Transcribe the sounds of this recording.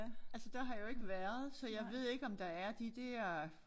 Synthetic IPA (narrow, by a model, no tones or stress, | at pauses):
ælsəd̥eɦɑ̈joe̝ɡ̥əʋæɐð̞̩ˠsɒ̽jɑ̈ɪʋe̝ð̰ˠe̝ɡ̥ɒ̽md̥ɑ̈æɐd̥id̥æɐ